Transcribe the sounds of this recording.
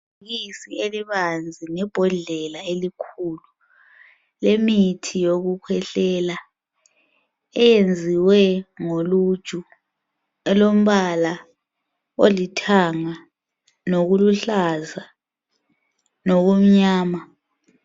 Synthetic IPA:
ɣisieliβand͡zʱinɛb̥ʱɔɮɛlaelikʰulu | lemitʰijoɣukʰwɛɬɛla | ɛjend͡zʱiwɛŋolu̥ʒ̥ʱʼu | ɛlom̩βala | olitʰaŋa | noɣuluɬaza | noɣum̩ɲaːma

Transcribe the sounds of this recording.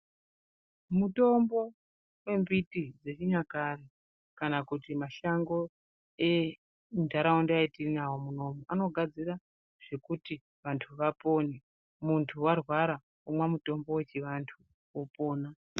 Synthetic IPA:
muto̞mbo̞ | we̞mbitid͡ze̞t͡ʃiɲakare | kanakutimaʃaŋɡo̞ | e | ndʱaɾaondeaitinawo̞muno̞moʔano̞ɡʱad͡zira | ʐ̥e̞kuti | ʋantʰuʋapo̞ne | muntʰuwarwaɾa | umwamuto̞mbo̞we̞t͡ʃiʋantʰu | wopo̞ːna

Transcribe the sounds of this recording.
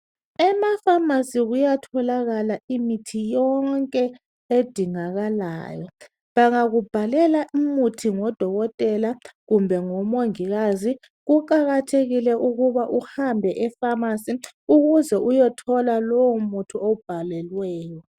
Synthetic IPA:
ɛmafamasiɣujatʰɔlaɣalaimitʰijɔŋkʼɛ | ed̥ʱiŋaɣala̰ːjɔ | βaŋaɣub̥ʱalɛlaʔimutʰiŋɔd̥ʱɔɣɔtʼɛlaɣumbʱɛŋɔmoŋiɣazi | ɣukʼaɣatʰeɣilɛʔuɣuβaʔuhambʱɛʔɛfamasiuɣuzɛʔujɛtʰɔlalowumutʰuob̥ʱalɛlwɛːjɔ

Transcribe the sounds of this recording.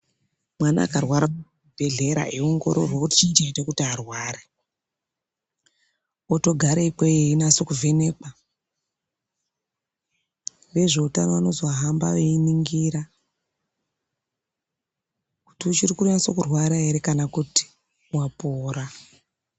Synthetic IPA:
mwana̰ːkarwaɾa | bʱeɮe̞ɾa̰ʔeuŋɡo̞̰ɾo̰rwoutit͡ʃind͡ʒeitokutiarwaːɾe | oto̞ɡʱaɾeikweeinaso̞kuve̞ne̞ka | re̞ʐe̞utanano̞zoɦamba̰ʋeiniŋɡiɾa | ku̥tiut͡ʃirikuriaso̞kurwaɾaeɾekanakuti̥ | wapoːɾa

